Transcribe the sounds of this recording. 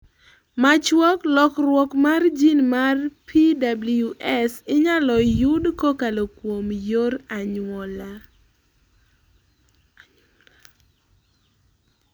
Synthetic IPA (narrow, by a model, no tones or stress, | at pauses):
mat͡ʃwɔklɔkrwɔkmard͡ʒinmarpʰidabljuʔɛsɪɲalɔjudkɔkalokwomjoɾaɲwɔla